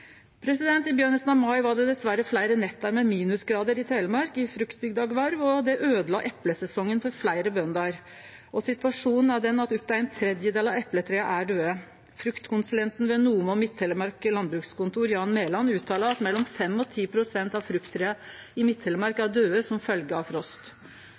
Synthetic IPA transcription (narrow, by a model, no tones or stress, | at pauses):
pʰɾɛsɪd̪ɛnt̪ɪbjøːɳəsnɑʋmɑɪʋɑɖɛd̪ɛsʋæɾəflæɪɾənɛt̪ːɑɾmɛmiːnʉsɡɾɑːd̪əɾɪt̪ʰeːləmɑɾkɪfɾʉkt̪̚bʏɡd̪ɑɡʋɑɾʋɔd̪ɛʔøːd̪əlɑ̰ːʔɛpləsɛsɔŋːənfɔɾflæɪɾəbœnd̪ɑɾ | ʔɔsɪt̪ʋɑʂuːnn̩æɖɛnːɑt̪ʉp̚d̪ɑæɪnt̪ʰɾɛd̪jəd̪eːlɑʋɛpːlət̪ʰɾeːɑʔæɖøːə | fɾʉkt̪kʊnsʉlɛnt̪n̩ʋɛnuːmɔmɪt̪ʰːɛləmɑɾkəlɑnbɾʉːkskʊnt̪uːɾjɑːnmeːlɑnʉːt̪ʰɑːləɑt̪mɛlːɔmfɛmːɔt̪ʰiːpʰɾʊsɛnt̪ɑʋfɾʉkt̪ʰːɾeːɑ | ɪmɪt̪ʰhɛlːəmɑɾkɑæɖøːəsɔmfœlɡəɑʋfɾɔst̪